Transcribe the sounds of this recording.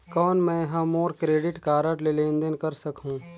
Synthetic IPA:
kɔːnmɛ̃ɦãmoːɾkɾeːɖɪʈkaːɾəʈlelẽːnd̪ənkɐɾsɐkɦũː

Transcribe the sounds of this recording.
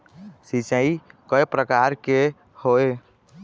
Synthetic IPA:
sit͡ʃəikəepɾəkaɾke | hoe

